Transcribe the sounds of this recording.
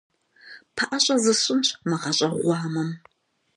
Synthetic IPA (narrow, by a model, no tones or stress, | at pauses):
pʰɐʔɐɕʼɐzɨɕʼɪnɕʰmɨʁɐɕʼɐʁʷɑːmɐm